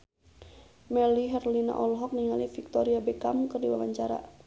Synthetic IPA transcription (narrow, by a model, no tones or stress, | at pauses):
mɛliɦɛrlina̰ʔɔlɦɔk̚niŋalifik̚t̪ɔɾiabɛkamkɨrdiwawaɲt͡ʃaɾa̰